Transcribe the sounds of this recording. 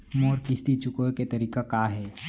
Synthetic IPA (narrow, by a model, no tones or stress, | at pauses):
moːɾkɪst̪it͡ʃʊkoket̪ɐɾiːkakaːɦɛː